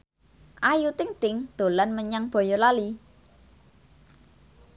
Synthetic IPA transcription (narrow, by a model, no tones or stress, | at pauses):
ʔajut̪ɪŋt̪ɪŋd̪̥o̤lanməɲaŋb̥ɔ̤jɔlali